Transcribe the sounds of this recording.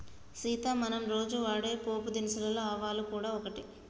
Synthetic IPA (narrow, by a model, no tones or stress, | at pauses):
siːt̪aːmɐnɐmɾo̞ːd͡ʒuʋaːɽeːpoːpud̪inisɐlɐloaːʋaːlukuːɽaːɔkɐʈi